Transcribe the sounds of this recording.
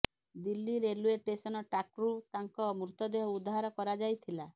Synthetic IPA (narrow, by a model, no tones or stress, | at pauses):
d̪ilːiɾelueʈesɔnɔʈakɾut̪aŋkɔmɾut̪ɔd̪eɦɔud̪aɦaɾɔkɔɾad͡ʒajt̪ʰila